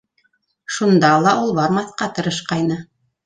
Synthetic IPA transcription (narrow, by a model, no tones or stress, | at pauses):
ʃund̪ɑlˠɑʔulˠβɑɾmɑθqɑt̪ɤ̆ɾɤ̆ʃqɑjnɤ